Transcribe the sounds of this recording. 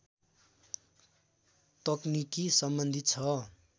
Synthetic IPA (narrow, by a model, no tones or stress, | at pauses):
t̪ʌknikisʌmbʌnd̪ʱit͡sʰʌ